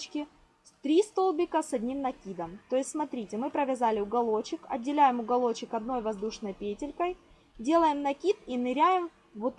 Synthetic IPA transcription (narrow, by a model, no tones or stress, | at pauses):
t͡ɕkʲɪ | t̪ɾʲist̪o̞lˠbʲɪkəsɐdʲnʲimnɐkʲid̪əmt̪o̞jɪstʲsmɐt̪ɾʲitʲɪmɨpɾəvʲɪzalʲɪʊɡɐlˠo̞t͡ɕːɪkɐ̰dʲːɪlʲæjɪmʊɡɐlˠo̞t͡ɕːɪkɐd̪no̞jvɐzd̪uʂnəjpʲetʲɪlʲkəj | dʲe̞lˠəjɪmnɐkʲit̪inɨɾʲæjɪm | vot̪